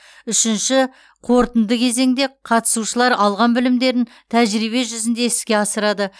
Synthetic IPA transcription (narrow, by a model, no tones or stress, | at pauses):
ʏʃɪnʃɪ | qʰo̞ɾt̪ənd̪əkʲʰe̞ze̞ŋd̪e̞qʰɑt̪ə̥suʃəlˠɑɾɑlˠʁɑnbɪlɪmd̪e̞ɾɪn | t̪ʰæʒɾijβe̞ʒʏzɪnd̪e̞ɪskʲe̞ɑsəɾɑd̪ə